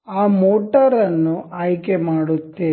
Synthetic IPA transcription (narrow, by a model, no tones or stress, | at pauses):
aːmoːʈɐɾɐnːuʔaːjkemaːɽut̪ːe